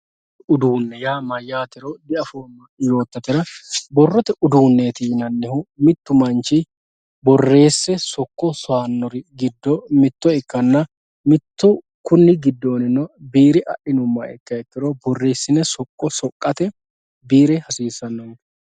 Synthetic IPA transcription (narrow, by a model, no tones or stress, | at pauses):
ʊd̪uːnːɛjaːmɐjːaːt̪ɪɾod̪ɪɐfoːnːɐjo̞ːt̪ːɐt̪ːɪɾɐbɔrːɔt̪ɛʊd̪uːnːeːt̪inɐnːɛhʊmɪt̪ːʊmɐnt͡ʃɪ | bɔrːe̞ːsːɛsɔkːɔsɔaːnːɔɾɪɡɪd̪ːɔmɪt̪ːɔɛkːɐnːɐ | mɪt̪ːʊ | kʊnːɪɡɪd̪ːo̞ːnɪnɔbiːɾɪʔɐ̰ʔɪnʊmːɐɛkːɐɛt̪ːɪɾobɔrːe̞ːsːɪnɛsɔkʼːɔsɔkʼːɐt̪ɛ | biːɾɛhɐsiːsːɐnːɔn